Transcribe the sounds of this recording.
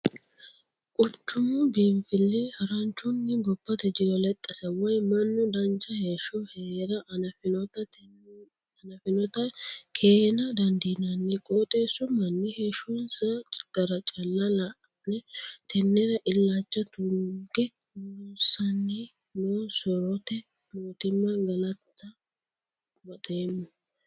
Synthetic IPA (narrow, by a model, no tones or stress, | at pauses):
kʼʊt͡ʃːʊmʊbiːmfɪlːɛhɐɾɐnt͡ʃːʊnːɪɡɔpːɐt̪ɛd͡ʒɪɾɔlɛt̪ʼːɐsɐwɔjmɐnːʊd̪ɐnt͡ʃɐheːʃɔheːɾɐʔnɐfɪnɔt̪ɐ | nɐfɪnɔt̪ɐkʰe̞ːnɐd̪ɐnd̪inɐnːɪkʼot̪ʼeːsʊmɐnːɪheːʃunsɐɡ̥ɐɾɐt͡ʃʼɐlːɐlɐ | nɛt̪ʰɛnːɛɾɐʔɪlːaːt͡ʃːɐt̪uɡɛ | usːɐnːɛ | noːsɔɾɔt̪ɛ | moːt̪ɪmːɐɡɐlɐt̪ːɐ | mɐt̪ʼeːmːʊ